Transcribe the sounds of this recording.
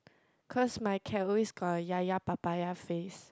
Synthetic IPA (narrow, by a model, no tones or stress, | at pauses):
kʰɔsmaɪkʰɛiskɔjajapab̥ajafes